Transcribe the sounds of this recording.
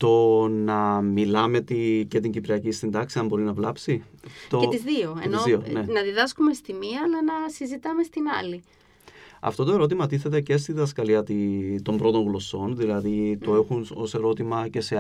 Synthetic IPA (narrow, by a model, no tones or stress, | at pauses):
t̪o̞nɐmilɐme̞t̪ice̞t̪̬iɲɟipɾiɐcist̪ind̪ɐksiɐmbo̞ɾinɐvlɐpsit̪oet̪izðioḛniozðionenɐðiðɐskume̞st̪imiɐːlɐnɐsizit̪ɐme̞st̪inɐ̰li | ɐ̰ft̪o̞t̪o̞e̞ɾo̞t̪̬imɐt̪iθe̞t̪̬e̞ce̞s̬t̪iðɐskɐliɐt̪it̪o̞mbɾo̞t̪o̞ŋɣlo̞so̞nðilɐðit̪oe̞xuno̞se̞ɾo̞t̪imɐce̞se̞